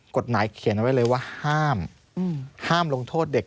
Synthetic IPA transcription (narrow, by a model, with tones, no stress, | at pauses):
ko˨˩t̪̚maː˩˦jkʰi˨˩˦nʔwa˦˥jlɤː˧jwaː˥˩haː˥˩m | haː˥˩mlo˧ŋt̪ʰoː˥˩t̪̚de˨˩k̚